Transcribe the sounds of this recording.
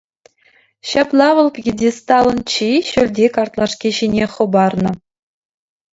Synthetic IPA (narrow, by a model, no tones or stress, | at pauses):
ɕɑplˠɑʋɤ̆lˠpʲɡʲidʲist̪ɑlˠɤ̆nt͡ɕiɕølʲdʲekɑrt̪lˠɑʂkʲiɕinʲeχɤ̆bɑrnɤ̆